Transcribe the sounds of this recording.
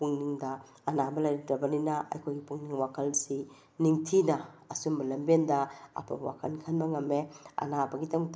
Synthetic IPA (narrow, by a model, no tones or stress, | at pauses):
puŋniŋdɐː | nabɐlajɾidɐbɐninaʔɐ̰jkʰojɡipuŋniŋwakʰalsi | niŋtʰinɐɐsumbɐlɐmbendɐɐ̰pʰa̰bwa̰kʰankʰanbɐŋɐmːeɐ̰nabɐɡitaŋt